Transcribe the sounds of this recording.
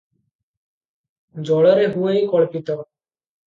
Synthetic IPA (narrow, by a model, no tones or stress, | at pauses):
d͡ʑɔɭaɾeɦuejkɔɭpit̪o